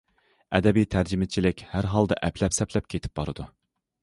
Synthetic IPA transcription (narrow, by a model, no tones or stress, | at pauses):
ɛd̪ɛbijt̪ʰæɾd͡ʒimɪt͡ʃʰilɪkʲhæɾɦɑlˠd̪ɑ̰ʔɛpʰlɛpsɛpʰlɛp̚kʲʰet̪ʰɪ̥p̚bɑɾɨd̪u